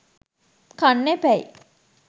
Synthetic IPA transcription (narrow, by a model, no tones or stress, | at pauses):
kanːepæj